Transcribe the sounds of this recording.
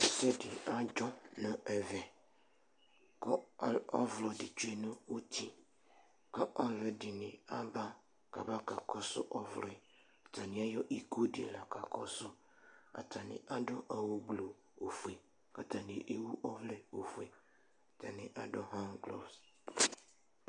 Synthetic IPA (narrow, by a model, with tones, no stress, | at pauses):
sɛ˦dɪ˨a˦d͡ʒɔ˦nã˨ɛ˨vɛ˨ | kɔ˦ɔ̰˦vlɔ˨dɪ˨t͡ʃu˦e˦˨nʊ̃˦o˦t̪ʰi˦ | ka˦ʔɔ˦lɛ˨dɪ˨nɪ̃˨a˦ba˦ | ka̰˨ba˦ka˨kʰɔ˦sʊ̰˦ʔɔ˦vɾɪ˨ | a˨tʰa˨nɪ̃˨a˦jɔ˦ʔi˨kʰo˦dɪ˨la˨kʰa˨kʰɔ̰˦sʊ˦ | a̰˨tʰa˨nɪ̰̃˨ʔa˨dɔ˦ʔa˨wo˦ɡlo˨ | o˨fu˨e˨ | ka˨tʰã˨nɪ̃˨ʔe˦wu˦ʔɔ˦vlɛ˨o˨fu˨e˨ | tʰa˨nɪ̃˨ʔa˨dɔ˦ɦã˦ŋɡlɔ̰˦s